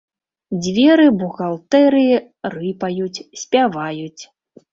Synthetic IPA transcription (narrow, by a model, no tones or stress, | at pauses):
d͡zʲvʲɛɾɨbuɣalˠt̪ɛɾɨ | rɨpajut͡sʲsʲpʲavajut͡sʲ